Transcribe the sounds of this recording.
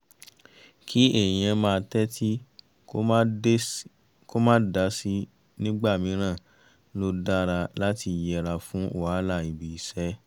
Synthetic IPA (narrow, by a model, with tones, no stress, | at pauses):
kʰi˦e˦˨j̃ɛ̃˧mãː˦˧tɛ˦tʰi˦ | kõ˦ | ko˦mãː˦da˨˦si˦ | nĩ˦ɡ͡ba˦˨mĩ˨˦ɾ̃ã˦˨˦ | lo˦da˦˨ɾa˧la˦ti˧˨jɛ˧˨ɾa˧fũ˦o˨wa˨˦la˧˨i˨bi˨i˨sɛ˨˦